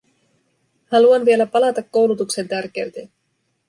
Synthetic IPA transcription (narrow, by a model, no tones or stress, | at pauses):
hɑluɑnʋie̞læpɑlɑt̪ɑkːo̞wlut̪ukse̞nt̪ærk̟eɥt̪e